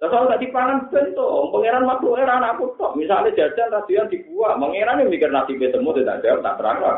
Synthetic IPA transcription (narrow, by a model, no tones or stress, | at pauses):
t̪asalɔŋɡaʔd̪̥ipaŋanb̥ɛnt̪opəŋeɾanwad̪oʔeɾanakut̪ɔʔmisale̥d͡ʒ̥ad̪̥anrad̪̥ujand̪̥i̤b̥uaməŋeɾanemikɪrnasibet̪əmot̪et̪a̰ʔd͡ʒ̥art̪a̰ʔd̪əɾa̰ka